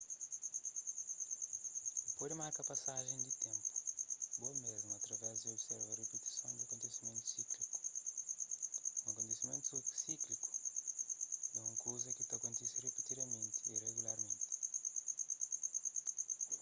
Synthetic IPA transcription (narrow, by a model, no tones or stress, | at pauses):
d̪ɪpodimaɾkɐpasaʒẽj̃d̪ɪt̪ẽmpʊ̥ʊ̥bomezmuat̪ɾɐvɛzd̪ɪobsɛɾvaɾepet̪i̥sɐ̃w̃d̪ɪɐkõnt̪esimẽnt̪u̥sikli̥ku̥ | ũɐkõnt̪esimẽnt̪usikliku̥ | ɛũŋkʰowzɐkɪt̪ɐkõnt̪ɛsirepit̪id̪ɐmẽnt̪ɪireɣulaɾmẽnt̪ɪ̥